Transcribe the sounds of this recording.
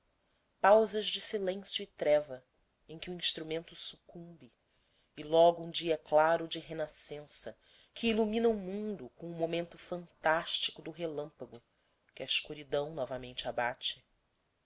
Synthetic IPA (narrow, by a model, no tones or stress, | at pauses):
pawzɐʒd͡ʒɪsilẽsjuit̪ɾɛvɐ | ẽj̃kʲɪuĩʃt̪ɾumẽnt̪ʊsukũmbɪ | ɪlɔɡʊũd͡ʒiɐklaɾʊd͡ʒɪɦenasẽsɐ | kʰɪːlumĩnɐumũnd̪ʊkõw̃ũmomẽnt̪ʊfɐ̃nt̪aʃt͡ʃi̥kʊd̪ʊɦelɐ̃mpɐɡʊ | kɪɐiʃkuɾid̪ɐ̃w̃nɔvɐmẽnt͡ʃɪabat͡ʃɪ̥